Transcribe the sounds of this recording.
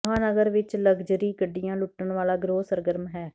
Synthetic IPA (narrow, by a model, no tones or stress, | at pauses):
ɦãːnəɡəɾʋɪt͡ʃləɡd͡ʒəɾiːkəɖːijãːlʊʈːəɳʋaːlaːɡɾoːsəɾɡəɾmɦɛː